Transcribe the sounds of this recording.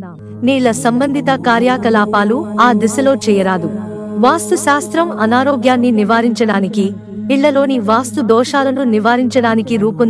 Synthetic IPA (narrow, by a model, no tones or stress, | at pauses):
niːlɐsɐmbɐnd̪ʱit̪ɐkaːɾjaːkɐlaːpaːluaːd̪isɐlo̞ːt͡ʃɛːjɐɾaːd̪u | ʋaːst̪uʃaːst̪ɾɐmɐnaːɾoːɡjaːnːiniʋaːɾiɲt͡ʃɐɽaːnikiː | ɭːɐlo̞ːniʋaːst̪ud̪ɔːʃaːlɐnuniʋaːɾiɲt͡ʃɐɽaːnikiɾuːpun